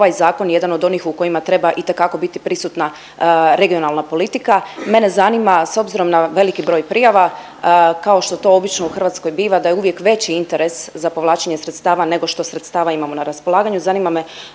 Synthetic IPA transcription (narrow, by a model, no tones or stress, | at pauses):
oʋajzaːko̞nje̞d̪ano̞d̪o̞nixuko̞jimat̪ɾe̞baʔit̪e̞kako̞bit̪ipɾisut̪na | ɾe̞ɡio̞nalˠnapo̞lit̪ikame̞nezanimaso̞bziɾo̞mnaʋe̞likibɾo̞ːjpɾiːjaʋa | kao̞ʃt̪ot̪o̞o̞bit͡ʃnouxr̩ʋaːt̪sko̞jbiːʋad̪ajeuʋje̞kʋe̞t͡ɕiint̪e̞ɾe̞szapo̞ʋlˠaːt͡ɕeɲesɾet̪st̪aːʋane̞ɡo̞ʃt̪o̞sɾet̪st̪aːʋaimamo̞naɾaspo̞lˠaːɡaɲuzaniːmame